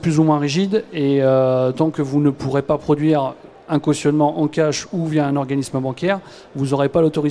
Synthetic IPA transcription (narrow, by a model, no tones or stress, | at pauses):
plyzumwɛ̃ʁiʒid̪eøt̪ɑ̃kəvunəpuʁepapχɔd̪ɥiʁ | ɛ̃kwɔst̪jɔnmɑ̃ʔɑ̃kʲaʃuvjɛɛ̃nɔʁɡanisməbɑ̃kʲɛʁ | vuzɔʁepalot̪ɔʁi